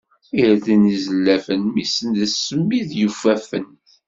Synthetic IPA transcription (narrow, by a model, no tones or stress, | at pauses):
iɾæðinizəlːæfənmisənðəsəmːiðjufæfən